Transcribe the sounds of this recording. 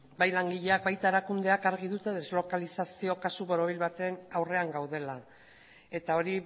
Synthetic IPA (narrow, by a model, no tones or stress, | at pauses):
bajlaŋɡiʎe̞ak̚bajt̪ae̞ɾakund̪e̞akaɾɣiðut̪e̞ð̞e̞zlo̞kalisasio̞kasuβo̞ɾo̞β̞ilβat̪e̞nawre̞aŋɡawð̞e̞la | e̞t̪ao̞ɾi